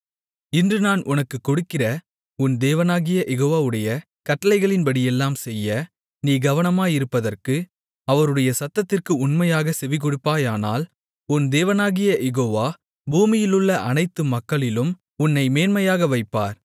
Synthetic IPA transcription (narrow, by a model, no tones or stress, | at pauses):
ɪndrɯnaːnʔʊnɐkːɯkːɔɽɯkːɪrɐ | ʊnd̪eːʋɐnaːɣɪjɐʔɛɣoːʋaːʋɯɽɐjɐ | kɐʈːɐlɐɪɣɐɭɪnpɐɽɪjɛlːaːmsɛjːɐ | niːɡɐʋɐnɐmaːjɪɾɯpːɐðɐrkɯ | ɐʋɐɾɯɽɐjɐsɐt̪ːɐt̪ːɪrkɯʊnmɐjaːɣɐsɛʋɪkɔɽɯpːaːjaːna̰ːl | ʊnd̪eːʋɐnaːɣɪjɐjɛɣoːʋaː | buːmɪjɪlɯɭːɐʔɐnɐɪt̪ːɯmːɐkːɐɭɪlɯm | ʊnːɐɪmeːnmɐjaːɣɐʋɐɪpːa̰ːɾ